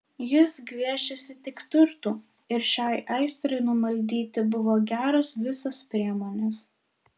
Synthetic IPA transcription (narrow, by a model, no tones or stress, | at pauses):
jɪsɡʋʲiɛʃʲɛsʲɪt̪ʲɪkt̪ʲʊɾt̪uː | ɪɾʃʲɑˑɪʔɐɪst̪ɾɐɪnʊmɐlʲd̪ʲiːt̪ʲɪbʊʋoːɡʲæːɾɐsʋʲɪsɐspʲɾʲiɛmoːnʲes